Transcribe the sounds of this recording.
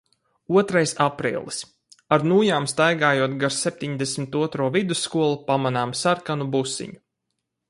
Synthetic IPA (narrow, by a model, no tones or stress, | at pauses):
uɔt̪ɾajsapɾḭːlˠis | aɾnuːjaːmst̪ajɡaːjuɔt̪ɡaɾsɛp̚ʲt̪ʲiɲd̪esmʲit̪uɔt̪ɾuːvid̪usːkuɔlˠupamanaːmsaɾkanubusːḭɲu